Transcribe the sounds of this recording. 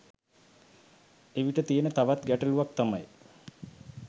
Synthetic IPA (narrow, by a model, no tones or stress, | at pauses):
eʋiʈət̪ienət̪aʋat̪ɡæʈəluʋak̚t̪amaj